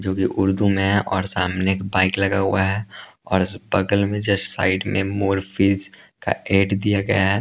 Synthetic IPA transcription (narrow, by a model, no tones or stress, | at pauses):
d͡ʒoːkiʔʊɾd̪umẽʔɔːɾsaːmnekbaːɪklɐɡaɦʊaɦɛ | ɔːɾɪsbɐɡəlmẽd͡ʒɐʃsa̰ːɪɖmẽmoːɾfʰiːzka̰eːɖd̪ijaɡɐjaɦɛ